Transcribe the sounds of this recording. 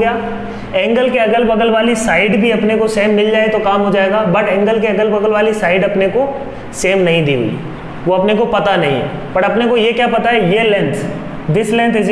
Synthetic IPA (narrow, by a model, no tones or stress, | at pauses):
ɡɐjaː | ɛ̃ːŋɡəlkeɐɡəlbɐɡəlʋaːlisaːɪɖbʱiɐpnekoseːmːɪld͡ʒaːet̪okaːmɦod͡ʒaːeːɡaːbɐʈɛ̃ːŋɡəlk̬eɐɡəlbɐɡəlʋaːlisaːɪɖɐpneko | seːmnɐɦĩd̪ḭɦṵḭ | ʋoɐpnekopɐt̪anɐɦĩɦɛ̰ | pɐʈɐpnekojekjaːpɐt̪aɦɛjelɛ̃nt̪ʰ | d̪ɪslɛ̃ːnt̪ʰɪz